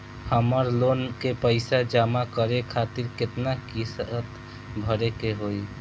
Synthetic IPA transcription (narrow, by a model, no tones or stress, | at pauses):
həməɾloːnkepəɪsad͡ʒaːmakəɾekʰaːt̪ɪɾkɪt̪nakisət̪ | bʱəɾekeɦoi